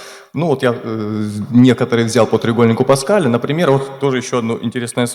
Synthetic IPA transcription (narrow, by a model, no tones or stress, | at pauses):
nuvo̞t̪ja | nʲe̞kət̪əɾɨjvʲzʲalˠpət̪ɾʲɪɡo̞lʲnʲɪkʊpɐskalʲɪnəpɾʲɪmʲe̞ɾvo̞t̪ːo̞ʐɨjɪɕːoɐd̪noʔɪ̰nʲtʲɪɾʲesnəjəs